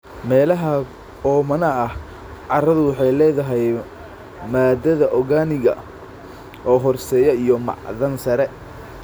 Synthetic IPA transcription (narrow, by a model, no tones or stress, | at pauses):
mɛːlɐɦɐ | ɔːmɐnɐɐh | ʕɑrɐðʊwɑħɑjlɛːðɐɦɛj | maːd̪ɐðɐʔɔɣaːnɪɣɐ̰ | ʔɔːɦɔrsɛːjɐijɔmɑ̰ʕðɐnsɐɾɛ